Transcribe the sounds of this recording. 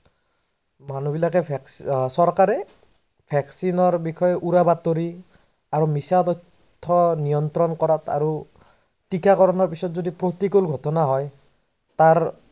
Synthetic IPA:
manubilakɛpʰksɔɹkaɹɛ | pʰɛksinɔɹbixʰɔjɛʔuɹabat̪ːoɹi | aɹumisat̪ɔtʰː | ɔnijɔnt̪ɾɔnkɔɹatʰa̰ɹu | tikakɔɹɔnɔɹpisɔtzodipɹotikulɡʱɔtɔnaɦɔj | taɹ

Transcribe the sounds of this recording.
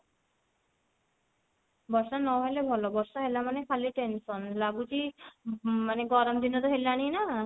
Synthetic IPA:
bɔɾʃanɔɦelebʱɔlɔbɔɾʃaɦelamanekʰaliʈensɔnlaɡuʈi | maneɡɔɾɔmd̪inɔt̪ɔɦelaɽ̃ina

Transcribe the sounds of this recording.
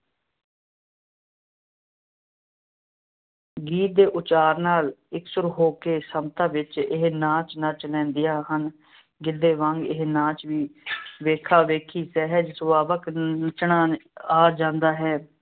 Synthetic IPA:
ɡiːt̪̚d̪eːʔʊt͡ʃaːɾnaːlɪksʊɾuɦoːkeːsəmt̪ãːʋɪt͡ʃɪɦnãːt͡ʃnət͡ʃlɛ̃ːnd̪ɪjaːɦən | ɡɪd̪eːʋə̃ŋɡɪɦnãːt͡ʃʋiːʋeːkʰaːʋeːkʰiːsɛːɦəd͡ʒsəʋaːbəknət͡ʃnaːaːd͡ʒãːnd̪aːɦɛː

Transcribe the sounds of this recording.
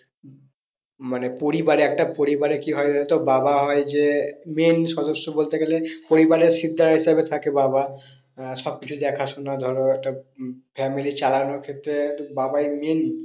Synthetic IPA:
manepoɾibaɾeɛk̚ʈapoɾibaɾekiɦɔeanet̪obabaɦɔed͡ʑemenʃɔd̪oʃːobolt̪eɡelepoɾibaɾeɾʃid̪ʱːaɾaɦiʃabet̪ʰakebaba | ʃɔb̚kit͡ɕʰud̪ɛkʰaʃunad̪ʱɔɾoɛk̚ʈafɛmilit͡ɕalanoɾkʰet̪ːɾet̪babajmen

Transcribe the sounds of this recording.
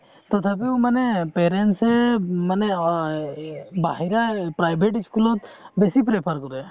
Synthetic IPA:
t̪ɔt̪ʰabiumɐnepeːɾeɳʈseməne | baɦiɾapɾaːjbʱeʈ̬ɪskulot̪besipɾepʰəɾkɔɾue

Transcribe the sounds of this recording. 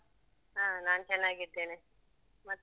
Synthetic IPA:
ɦaːnaːnt͡ʃɛnːaːɡiɽt̪eːne | mɐt̪ː

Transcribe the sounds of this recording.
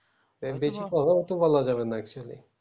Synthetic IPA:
ebet͡ʃʰikɔt̪ʰat̪obɔlad͡ʒaβenaɛk̚t͡ʃualḭ

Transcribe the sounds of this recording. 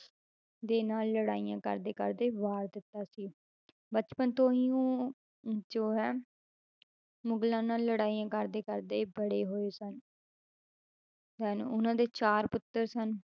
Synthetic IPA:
d̪eːnaːlːəɽaːijãːkə̰ɾd̪eːkə̰ɾd̪eːʋaːɾd̪ɪt̪ːaːsiː | bət͡ʃpənt̪õːɦiːõː | d͡ʒoːɦɛː | mʊɡlãːnaːlːəɽaːijãːkəɾd̪eːkəɾd̪eːbəɽeːɦoːeːsən | sɛːnːʊnãːd̪eːt͡ʃaːɾpʊt̪ːəɾsən

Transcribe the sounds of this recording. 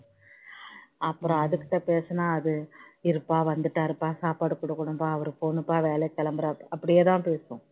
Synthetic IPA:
ɐpːɯɾɔ̃ɐðɯkːɪ̥ʈːɐpeːsɯnaːɐðɯɪɾɯpːaːʋɐnd̪ɯʈːaɾɯpːaːsaːpaːɽɯkːʊɽɐkːʊɽʊmbaːɐʋɐɾɯfoːnɯpːaːʋeːlɛkːɐlɐmbɐɾɐpːɐɽɪjeːt̪ãːpeːsõ

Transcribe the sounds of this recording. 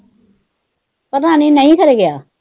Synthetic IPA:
pɐɾãːnenəĩkɐɾeɡɪjaː

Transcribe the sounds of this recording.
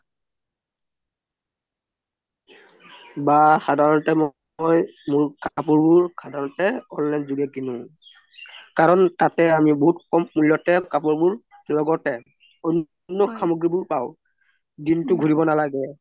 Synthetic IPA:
baxadʱaɹɔntɛm | jmuɹkapuɹbuɹkʰadʱaɹɔntɛɔnlajnzuɡɛkinʊ | kaɹɔntatɛamibɔɦutkɔmmuljɔtɛkap̬uɹbuɹ | lɔɡɔtɛ | ɔn | nːɔkʰamɔɡɹibʊɹpaʊ | dintʊɡʱuɹibɔnalaɡɛ

